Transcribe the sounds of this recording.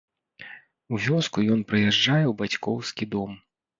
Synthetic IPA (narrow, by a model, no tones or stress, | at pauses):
uvʲɔskujɔnpɾɨjɛʐd͡ʐajɛwbat͡sʲkɔwskʲid̪ɔm